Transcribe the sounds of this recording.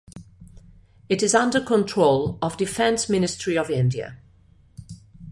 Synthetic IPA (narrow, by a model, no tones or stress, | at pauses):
ɪtɪzʌ̃ndəkʰə̃ntʰɹ̥oʊləvdɪfɛ̃nsmɪ̃nɪstɹ̥iəvɪ̃ndiə̰